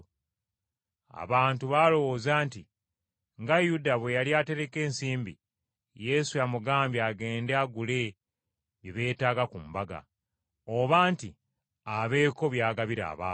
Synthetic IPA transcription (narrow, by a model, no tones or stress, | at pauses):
a̰βaːntuβaːlo̞wozaːnti | ŋɡajudaβwe̞jaliate̞ɾe̞ke̞ːnsiːmbḭ | je̞sujamuɡaːmbjaɡe̞ːndeaɡule̞ | βeβe̞ːtaːɡakumbaɡa̰ | oβaːnti | aβe̞ːko̞βjaːɡaβiɾa̰ːβaː